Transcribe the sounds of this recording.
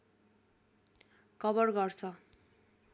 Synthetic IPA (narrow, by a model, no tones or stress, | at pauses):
kʰʌbʌrɡʌrt͡sʰʌ